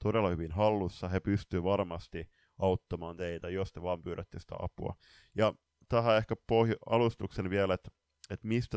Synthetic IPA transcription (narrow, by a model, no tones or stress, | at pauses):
t̪odelːɑhyʋinhɑlːusːɑhepyst̪yːʋɑrmɑst̪i | ɑut̪ːɑmɑːnt̪eit̪æjost̪eʋɑːmpyːɾæt̪ːisi̥t̪æ̰ɑ̰pṵɑ̰ | jɑ | t̪æhæehkæpohjuɑlust̪uksenʋielet̪ | et̪mist̪æ